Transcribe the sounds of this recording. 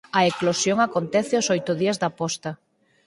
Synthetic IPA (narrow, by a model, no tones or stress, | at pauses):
ɐeklosjoŋakont̪ɛθɪosojt̪ʊðiɐzd̪ɐpɔst̪ɐ